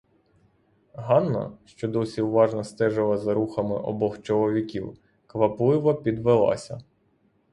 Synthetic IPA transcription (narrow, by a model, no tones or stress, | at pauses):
ɦɑnːɐ̰ʃt͡ʃɔd̪ɔsʲiwʋɑʒnɐst̪ɛʒɪlˠɐzɐɾuxɐmɪ̰ʔɔ̰bɔxt͡ʃɔlˠɔʋʲikʲiw | kʋɐplˠɪʋɐpʲid̪ʋelˠɑ̰sʲɐ